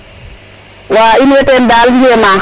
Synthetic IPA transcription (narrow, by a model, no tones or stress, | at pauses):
waːinɛtɛndaːliɛma